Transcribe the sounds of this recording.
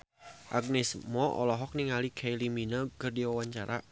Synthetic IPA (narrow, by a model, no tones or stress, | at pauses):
ʔaɡ̚nɪsmɔʔɔ̰lɔɦɔk̚niŋalikʰejliminəkərdiwawaɲt͡ʃaɾʔa̰